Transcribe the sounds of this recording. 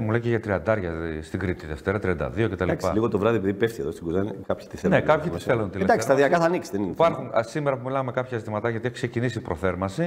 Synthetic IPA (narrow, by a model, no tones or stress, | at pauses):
muleceʝɐt̪ɾiɐnd̪ɐɾʝɐst̪iɡɾit̪iðeft̪e̞ɾɐt̪ɾiɐnd̪ɐ̰ðio̞cet̪ɐlaɐliɣot̪ovɾɐðiepiðipefθieðost̪iɡuzɐnikapçi̥t̪iθelnekɐpçiiθelunt̪ild̪akst̪ɐðiɐkɐθɐniksiðenipɐɾxunsimeɾɐpumilɐmmekɐpçɐzit̪imɐt̪ɐʝɐt̪ieçiksecinisipɾoθe̞ɾmɐsi